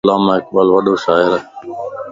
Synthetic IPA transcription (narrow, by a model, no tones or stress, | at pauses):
lãːmãːɪk̚ɓəːlʋəɗoːʃaːɪɾ